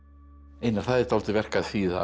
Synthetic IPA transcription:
ejnḁθaðɛ̥t̪alt̪ɪvɛr̥kaðθiːða̰

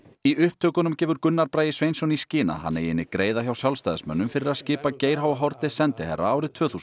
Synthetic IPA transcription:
iʏhp̚t̪ʰœːkʏnʏmcɛːvʏɾkʏnːaɾpɾaːjɪsvejnsɔniscɪːna̰ha̰nːɛ̰jɪnːɪkɾeːjðaçawsjalst̪ajðsmœ̰nːʏmfɪɾɪɾaðscɪːpaceːjɾ̥ɦaːwvaɦɔɾt̪ɪsɛnt̪ɪhɛ̰ɾa̰aːwɾɪðt̪ʰvœːθus

